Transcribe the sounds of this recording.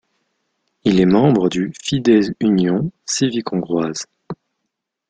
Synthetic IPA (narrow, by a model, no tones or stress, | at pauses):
ilɛmɑ̃bʁəd̪yfid̪ɛzynjɔ̃sivikɔ̃ɡʁwaz